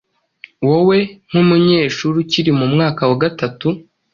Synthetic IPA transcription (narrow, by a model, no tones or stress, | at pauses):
wowe̞ŋ̥umuɲe̞ːʃuɾuciɾimumŋaːkawaɡatatu